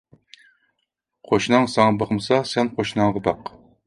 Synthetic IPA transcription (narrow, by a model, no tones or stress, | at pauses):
qʰoʃnɑŋsɑŋɑbəχmsɑsɛnqʰoʃnɑŋʁəb̪ɑq